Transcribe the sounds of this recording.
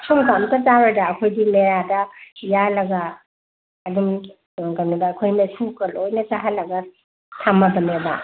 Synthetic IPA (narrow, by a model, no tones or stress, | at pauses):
sʰomkamkɐzaɾɐdɐːkʰojdimeɾadɐjalɐɡaː | dum | ɡanibaːkʰojmesukɐlojnɐsaɦalɐɡɐ | tʰamɐbɐnebɐ̰